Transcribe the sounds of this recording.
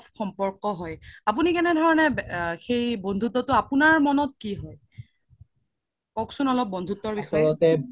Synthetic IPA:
xɔmpɔɹkɔɦɔjapunikɛnɛdʱɔɹɔnɛxejbɔndʱutɔtʊapunaɹmɔnɔt̚kiɦɔj | kɔksunɔlɔp̚bɔndʱutːɔɹbisɔɔjɔtɛ

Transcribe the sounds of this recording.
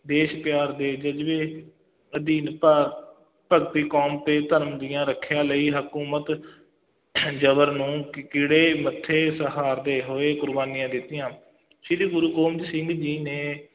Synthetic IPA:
d̪eːʃpɪjaːɾd̪eːd͡ʒəd͡ʒʋeː | əd̪iːnpə | pəɡt̪iːkɔːmt̪eːt̪əɾmd̪ɪjãːɾəkʰːjãːləiːɦəkuːmət̪ | d͡ʒəbəɾnũːkɪɽeːmət̪ʰːeːsəɦaːɾd̪eːɦoːeːkʊɾbaːniːãːd̪ɪt̪ːɪjãː | sid̪iːɡʊɾuːkoːmd͡ʒsɪ̃ŋɡd͡ʒiːneː

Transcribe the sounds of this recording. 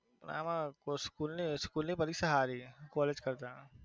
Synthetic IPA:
pna̰ːmãkoskuːlnĩskuːlnĩpɐɾiksɐɦaːɾikɔːleːd͡ʒkɐɾt̪aɦ

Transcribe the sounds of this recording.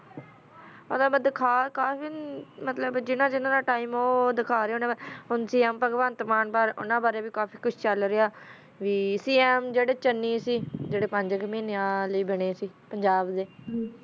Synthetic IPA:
ot̪aːbd̪ɪkʰaːkaːfiːmət̪ləbd͡ʒɪnãːd͡ʒɪnãːd̪aːʈaːiːmoːd̪ɪkʰaːɾeonãːbaɦʊnsiːɛːmpəɡbaːnt̪əmaːnbaːɾʊ̰nãːbaːɾeːʋiːkaːpʰiːkʊt͡ʃʰt͡ʃəlɾeaː | ʋiːsiːɛːmd͡ʒeːɽeːt͡ʃənːiːsiːd͡ʒeːɽeːpəɲd͡ʒəkmiːnãːləiːbəɽ̃eːsiːpəɲd͡ʒaːbd̪eː

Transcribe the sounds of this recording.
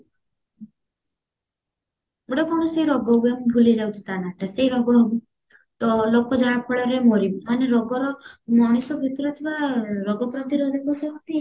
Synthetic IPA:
uɽapɔɳ̃ɔseiɾɔɡɔwbambʱuled͡ʒawt͡ʃʰi̥t̪anaʈaseiɾɔɡɔbu | t̪ɔlokɔd͡ʒaɦakʰɔɭaɾemɔɾimaneɾɔɡɔɾɔmɔɽ̃isɔbʱit̪ɔɾɔt̪ʰibaɾɔɡɔpɾɔnt̪ʰiɾɔd̪ʱɔɡɔsɔɦɔt̪i

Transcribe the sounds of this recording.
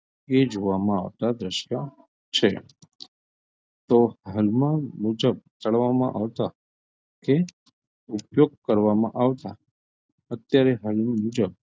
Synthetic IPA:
ed͡ʒoʋamãaʋt̪ad̪ɾəʃja | t͡ʃʰe | t̪ohəlmãmud͡ʒəb̚t̪əɭʋamã̰ʔaʋt̪a | ke | upjoɡ̚kəɾʋamã̰ʔaʋt̪a | ət̪jaɾeɦəlmmud͡ʒəb̚

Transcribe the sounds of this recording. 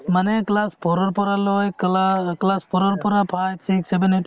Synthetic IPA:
manɛklaspʰɔɾɔɾpɔɾalɔjklaklaspʰɔɾɔɾpɔɾapʰajsʰiksebenet

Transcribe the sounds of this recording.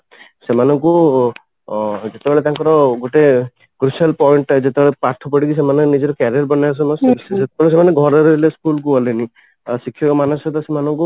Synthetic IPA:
semanɔŋku | d͡ʒet̪ebeɭet̪ãŋkɔɾɔɡoʈe | kɾusalpɔiɳʈd͡ʒet̪ebeɭepaɾt̪ʰɔpɔɽikisemanenid͡ʒɔɾɔkaɾiaɾbɔnajs̬ɔmɔsset̪ebeɭes̬emaneɡʱɔɾɔɾeleskulkuɔleni | sikʰːjɔkɔmanɔsɔt̪ɔsemanɔŋku

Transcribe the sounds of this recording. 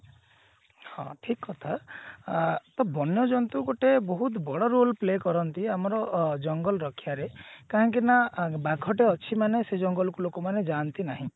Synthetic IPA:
hɔ̰̃ʈʰikːɔt̪ʰa | t̪ɔbʱɔnjɔd͡ʒɔnt̪uɡoʈebɔɦut̪bɔɽɔɾolplekɔɾɔnt̪iamɔɾɔd͡ʒɔŋɡɔlɔɾɔkʰjaɾekaɦɔŋkinabaɡʰʱɔʈeɔt͡ʃʰimanesed͡ʒɔŋɡɔlɔkulokɔmaned͡ʒant̪inaɦĩ

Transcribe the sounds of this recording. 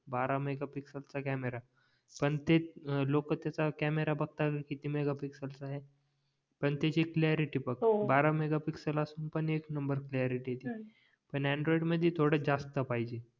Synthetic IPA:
baɾameɡapiksəlt͡sakɛmeɾa | pəɳt̪elokət̪jat͡sakæmeɾabəɡ̚t̪akit̪imeɡapiksəlt͡saɦe | pəɳt̪at͡ɕiklɛɾiʈiːpək̚baɾameɡapiksəlasuːnpəɳeknəmbəɾklaɾiʈiɦet̪i | pəɳɛ̃ɳɖɾoiɖməd̪ʱjet̪ʰoɽəd͡zast̪əpaɦid͡ʑe

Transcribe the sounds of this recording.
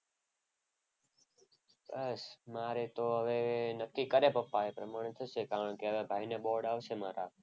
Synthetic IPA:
ɓəsmaːɾeːt̪oːɦəʋeːnəkːiːkəɾeːpəpːaːeːpɾəmaːɳt̪ʰəseːkaːɾəɳkeɦəʋeːbʱaːɪneːɓoːɖaːʋseːmaːɾaː

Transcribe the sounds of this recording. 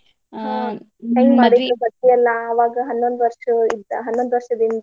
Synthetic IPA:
t̪eŋɡmaːɽid̪osɐt̪ːijɛlːɐːʋaːɡɐɦɐnːond̪ʋɐɾʂɐid̪ɦɐnːond̪ʋɐɾʂɐd̪ind̪ɐ

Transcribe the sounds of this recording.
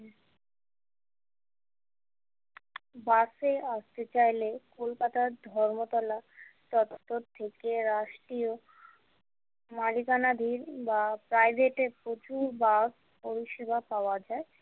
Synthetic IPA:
baseast̪et͡ɕajlekolkat̪aɾd̪ʱɔɾmot̪ɔlat̪ɔt̪ːot̪ʰːekeɾaʃʈɾio | malikanad̪ʱiɾbapɾajbʱeʈeɾpɾot͡ɕuɾbas | poɾiʃebʱapaoad͡ʑae

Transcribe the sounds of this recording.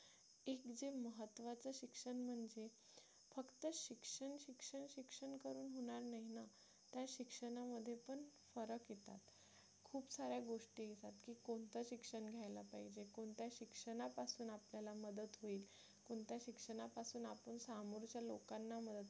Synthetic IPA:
ekd͡zeməɦət̪ːʋat͡səɕikʂəɳm̤əɳd͡ze | fəkt̪əɕikʂəɳɕikʂəɳɕikʂəɳkəɾuːnɦoɽ̃aɾnaɦina | t̪jaɕikʂəɳaməd̪ʱːjepəɳ | fəɾəkjet̪a̰t̪ | kʰuːpsaɾjaɡoʂʈiːesat̪kiːkoɳt̪əɕikʂəɳɡʱjajlapaɦid͡ʑekoɳt̪jaɕikʂəɳapasuːnapljalaməd̪ət̪ɦoiːl | koɳt̪jaɕikʂəɳapasuːnapəɳsamuɾt͡ɕjalo̰kanːaməd̪ət̪

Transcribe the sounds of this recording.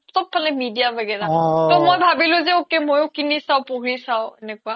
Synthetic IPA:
sɔp̚pʰalɛmidijabɛɡɛɹatɔmojbʱabilʊ̃zɛokemojʊkinisaʊpoɦɹisawɛnɛkʊwa

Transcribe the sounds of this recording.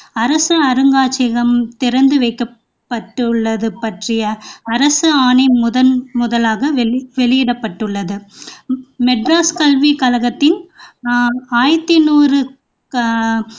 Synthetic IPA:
ɐɾɐsɯɐɾɯŋɡaːt͡ʃːɪɣɐmt̪ɪɾɐnd̪ɯʋɐɪkːɐ | pːɐʈːɯɭːɐðɯpːɐʈrɪjɐːɾɐsɯaːnɪmʊðɐnmʊðɐlaːɣɐʋʋɛlɪjɪɽɐpːɐʈːɯɭːɐðɯ | mɛɖɾaːskɐlʋikɐlɐɣɐt̪ːɪn | aːjt̪ːɪnuːrɯ

